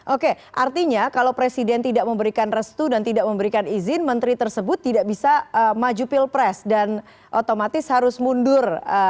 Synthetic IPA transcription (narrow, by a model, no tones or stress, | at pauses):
ʔoke | ʔart̪iɲakalawpɾesidɛnt̪idaʔməmbəɾikanrəst̪udant̪idaʔməmbəɾikanizɪnmənt̪ɾit̪ərsəbʊt̪ːidaʔbisaəmad͡ʒupɪlpɾɛsdan | ʔot̪omat̪ɪshaɾʊsmundʊrə